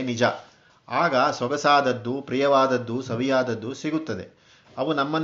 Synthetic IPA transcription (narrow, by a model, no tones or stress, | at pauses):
nid͡ʒɐ | aːɡɐsʋɐɡɐsaːd̪ɐd̪ːupɾijɐʋaːd̪ɐd̪ːusɐʋijaːd̪ɐd̪ːusiɡut̪ːɐd̪e̞̰ | ɐʋunɐmːɐn